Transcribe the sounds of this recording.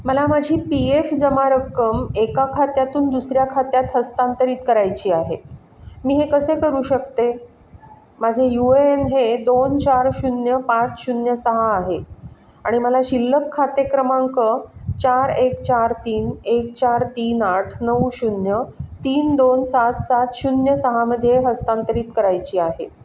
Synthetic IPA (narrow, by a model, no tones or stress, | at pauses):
məlamad͡ʑʱiːpiefd͡zəmaɾəkːəmekakʰat̪jat̪uːnd̪usɾjakʰat̪jat̪ɦəst̪ant̪əɾiːt̪̚kəɾajt͡ɕiːaɦe | miːɦekəsekəɾuːɕək̚t̪e | mad͡ʑʱejueenɦed̪ont͡ɕaɾɕunjəpãt͡sɕunjəsəɦaːɦe | aɽ̃iməlaɕilːəkʰːat̪ekɾəmãŋkət͡ɕaɾekt͡ɕaɾt̪iːnekt͡ɕaɾt̪iːnaʈʰnəwɕunjət̪iːnd̪onsat̪sat̪ɕunjəsəɦaməd̪ʱːjeɦəst̪ant̪əɾiːt̪kəɾajt͡ɕiːaɦe